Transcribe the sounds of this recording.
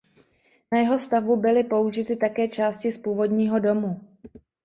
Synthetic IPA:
najɛɦo̞st̪avbubɪlɪpo̞uʒɪt̪ɪt̪akɛːt͡ʃaːscɪspuːvo̞dɲiːɦo̞do̞mu

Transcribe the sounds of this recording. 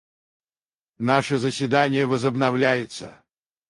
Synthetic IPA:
naʂəzəsʲvʲɪd̪anʲɪjəvəzəbnɐvlʲæjɪt̪sə̰

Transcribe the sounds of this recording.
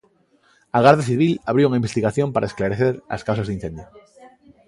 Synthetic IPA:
aɣaɾðaθiβilaβɾiouŋaimbest̪iɣaθjompaɾaesklaɾeθeɾa̰skawsazðin̟θend̪jo

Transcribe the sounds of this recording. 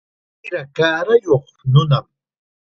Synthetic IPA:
ɪɾakaːɾajoχ | nʊnam

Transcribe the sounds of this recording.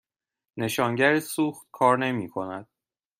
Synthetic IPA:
ne̞ʃɒːŋɟæɾisuːxt̪̚kʰɒːɾne̞miːkʰo̞næd̪̥

